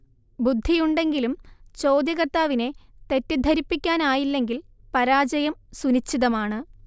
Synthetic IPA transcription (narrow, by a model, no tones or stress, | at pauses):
bud̪ʱːijuɳɖe̞ŋɡilumt͡ɕo̞ːd̪jɐɣɐrt̪aːʋine̞t̪e̞tːɨd̪ʱɐɾipːikʲːaːnaːjilːe̞ŋɡil | pɐɾaːd͡ʑɐjɐmsunit͡ɕːiðɐmaːɳɨ